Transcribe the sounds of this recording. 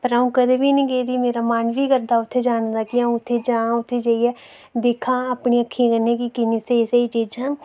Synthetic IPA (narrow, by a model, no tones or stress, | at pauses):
pəɾaːũːkəd̪eːʋiːnĩɡeːd̪iːmeːɾaːmaːnʋiːkəɾd̪aːʊt̪ʰːeːd͡ʒaːñd̪aːkɪãʊt̪ʰːeːd͡ʒãːʊt̪ʰːeːd͡ʒaːiɛː | d̪eːkʰãːapɳiːəkʰːĩkəneːkikɪniːseseiːt͡ʃiːd͡ʒãː